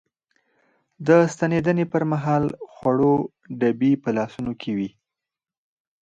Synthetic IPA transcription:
d̪əst̪aned̪ənepəɾmaɦɑlxwaɽo | ɖabipəlɑsunokʰewi

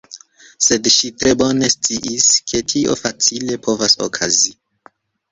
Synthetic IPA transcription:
se̞dʃitɾe̞bo̞ne̞st͡siʔiskʰe̞tʰiʔo̞̰fat͡sile̞pʰo̞vaso̰kʰazi

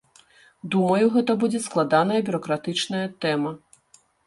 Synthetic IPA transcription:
d̪umɐjuɣɛt̪ɐbud͡zʲɛsklˠad̪an̪ɐjɐbʲʊɾɐkɾat̪ɨt͡ʂnɐjɐt̪ɛmɐ

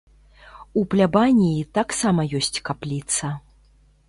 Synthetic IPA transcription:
uplʲabanʲijit̪aksamɐjɔsʲt͡sʲkaplʲit̪sɐ

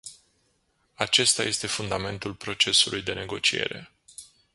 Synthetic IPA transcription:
at͡ʃe̞st̪aje̞st̪e̞fund̪ame̞nt̪ulpɾo̞t͡ʃe̞sulʔujd̪e̞ne̞ɡo̞t͡ʃie̞̰ɾe̞̰

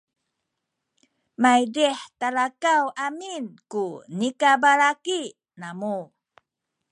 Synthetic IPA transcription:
majdiħtalakawaminkunikabaɭaki | namu

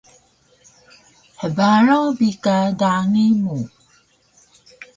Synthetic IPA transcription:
həbaɾobikadaŋimu

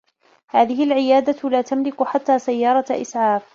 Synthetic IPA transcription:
haːðɪhɪlʕɪjaːd̪alaːt̪amlɪkʊħat̪ːaːsajːɑːɾˤɑʔɪ̰sʕaːb

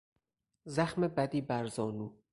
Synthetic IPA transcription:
zæxmebæd̪iːbæɾzɒːnuː

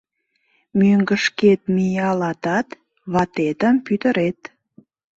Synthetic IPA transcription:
myŋɡəʃket̪̚mijɑlɑt̪ɑt̪ | βɑt̪et̪əmpyt̪əɾet̪

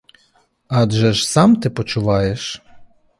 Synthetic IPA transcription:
ɑd̪ʒɛʒsɑmt̪ɪpɔt͡ʃʊʋɑjeʃ

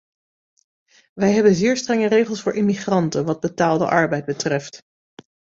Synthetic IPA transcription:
ʋɛjɦɛbənzɪːɹstrɛŋərejχəlˠsfʊːɹʔɪmiχrɑntənʋɑd̚bətaːlˠdə̰ʔɑɹbɛjd̚bətrɛft

